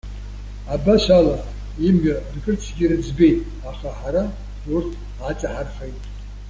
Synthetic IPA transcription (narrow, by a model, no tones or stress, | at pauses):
abaʃala | imɥᶣadkʼɨrt͡sʰɡʲirɨd͡zbe̞jtʼ | aχaħaɾa | urtʰ | at͡sʼaħarχajtʼ